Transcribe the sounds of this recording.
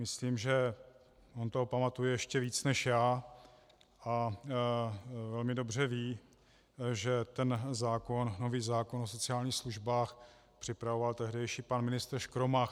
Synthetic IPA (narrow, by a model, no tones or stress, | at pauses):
mɪsliːmʒɛ | ʔo̞nt̪oɦopamat̪ujɛjɛʃcɛviːt͡snɛʃjaː | ʔa | vɛlmɪdo̞br̝ɛviː | ʒɛt̪ɛnzaːko̞nːo̞viːzaːko̞nos̬o̞t͡sɪaːlɲiːxsluʒbaːx | pr̥ɪpɾavo̞valt̪ɛɦdɛjʃiːpanmɪnɪst̪ɾʃkɾomax